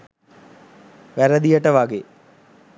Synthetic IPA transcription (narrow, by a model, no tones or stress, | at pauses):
ʋæɾəd̪ijəʈəʋaɡe